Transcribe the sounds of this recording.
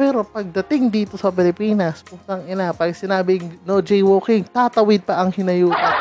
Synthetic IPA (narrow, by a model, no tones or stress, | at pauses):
pɛːɾo̞pɐɡ̚d̪ɐt̪ɪŋd̪iːt̪o̞sɐpɪlɪpiːnɐspʊŋt̪ɐŋɪnapɐɡsɪnaːbɪŋnod͡ʒɛjwoːkɪŋt̪aːt̪ɐwɪd̪̚pɐʔɐŋhɪnɐjuːt̪ɐ